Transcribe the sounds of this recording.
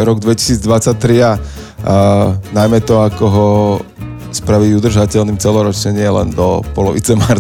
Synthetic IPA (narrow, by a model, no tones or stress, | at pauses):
ɾɔɡd̪ʋɛci̥siːd͡zd̪ʋat͡sac̚t̪ːɾia | najmɛt̪ɔakɔɦɔ | spɾaʋiɟud̪r̩ʒacɛʎniːmt͡sɛlɔɾɔt͡ʃɲɛɲɪɛlɛ̰nd̪ɔpɔlɔʋḭt͡sɛmaɾ